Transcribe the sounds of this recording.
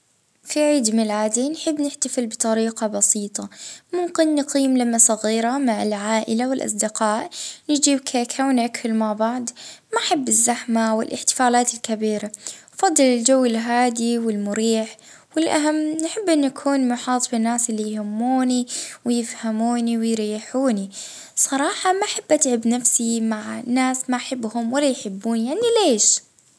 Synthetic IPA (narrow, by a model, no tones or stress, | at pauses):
fiʕiːd̪mɪlaːd̪inħɪbːnɪħt̪afɪlbɨt̪ˤɑɾiːqɑbɑsiːt̪ˤɑmʊmkɪnːɪqiːmlamːasˤɑɣiːɾamaʕɪlʕaːʔɪlawɪlʔɑ̰sˤd̪ɪqɑːʔnɪd͡ʒiːbkʰaːkawnʔakʰːʊlmaʕbaʕd̪maħabːɪzːaħmawɪlʔɪ̰ħt̪ɪ̥faːlaːt̪ɪlkabiːɾafɑd̪ˤːɨlɪld͡ʒawːɪlɦaːd̪iwɪlmʊɾiːħ | wɪlʔa̰ɦamːnħɪbːʔɪnːuʔakʰuːnmʊħɑːt̪ˤfɪnːaːsʔɪlːijhʊmːuːniwɪjɪfhamuːniwɪjɾiːħuːni | sˤɑɾˤɑːħɑmaʔħab̥ːʔat̪ʕɪbnafsimaʕnːaːsmaʔħabːhʊmwalːajħɪbːuːnijaʕnileːʃ